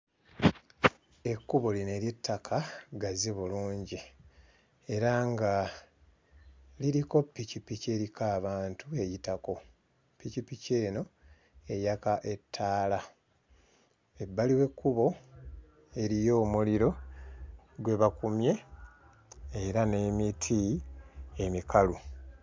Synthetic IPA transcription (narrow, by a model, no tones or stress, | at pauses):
e̞kːuβo̞line̞ːɾjetʰːakʰaɡaziβuluːɲɟi | e̞ɾaŋɡa | liɾiko̞pːicipice̞ɾikaːβaːntue̞jitako̞ | pːicipice̞ːno̞ | e̞jakaʔe̞tʰːaːla | e̞bːaliwe̞kːuβo̞ | e̞ɾijo̞ːmuliɾo̞ | ɡwe̞βakumje̞ | eɾane̞mitʰi | e̞mikʰalu